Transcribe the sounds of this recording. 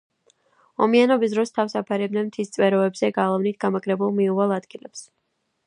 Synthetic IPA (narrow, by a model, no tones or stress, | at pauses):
ɔmianɔbis̬d̪ɾɔst̪ʰafsapʰaɾɛb̚nɛmt̪ʰist̪sʼwɛɾɔɛbzɛɡalˠavnit̪̚ʰɡamaɡɾɛbulˠmiuʁɛlˠad̪ɡilɛps